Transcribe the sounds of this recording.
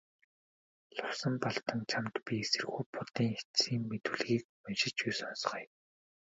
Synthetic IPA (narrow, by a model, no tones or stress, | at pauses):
ɮʊwsə̆mpɔɮt̪ɞ̆ŋt͡ɕʰamt̪pʲiesɘ̆rɣuːpʊt̪iːŋetsiːŋmet̪ɘ̆ɮɣiːk̚manʃɪ̆t͡ɕujsɔnsɞ̥̆χ